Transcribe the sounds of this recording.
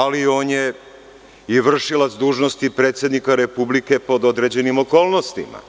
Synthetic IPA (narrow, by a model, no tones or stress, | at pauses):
alio̞ːnje̞ | iʋr̩ʃilat̪sd̪uːʒno̞st̪ipɾet̪sʲje̞d̪nikaɾe̞publike̞po̞d̪o̞d̪ɾe̞d͡ʑe̞nimo̞ko̞ːlno̞st̪ḭma̰